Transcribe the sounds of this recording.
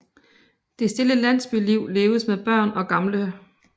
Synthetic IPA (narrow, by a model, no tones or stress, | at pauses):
d̥e̝sd̥e̝ləlæn̰sb̥yliʊ̰le̝ːʊəsmeðb̥ɶɐ̰nɒ̽ɡ̥ɑ̈mlə